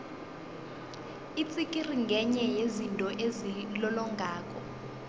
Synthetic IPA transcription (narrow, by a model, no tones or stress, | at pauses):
it͡sʼikʼiriŋɡʱɛɲɛjezintʼɔʔezilɔlɔŋɡʱaːkʼɔ